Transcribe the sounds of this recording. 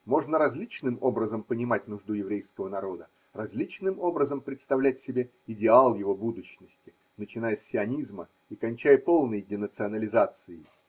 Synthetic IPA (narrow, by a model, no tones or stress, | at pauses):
mo̞ʐnəɾɐzʲlʲit͡ɕnɨmo̞bɾəzəmpənʲɪmat̚ʲnʊʐd̪ujɪvɾʲejskəvənɐɾo̞d̪ə | rɐzʲlʲit͡ɕnɨmo̞bɾəzəmpɾʲɪt̪st̪ɐvlʲætʲsʲɪbʲe̞ | ɪdʲɪalˠjɪvo̞bud̪ʊɕnəsʲtʲɪ | nət͡ɕɪnajəsʲːɪɐnʲizmə | ikɐnʲt͡ɕæjəpo̞lˠnəjdʲɪnət̪sɨɐnəlʲɪzat̪sɨɪ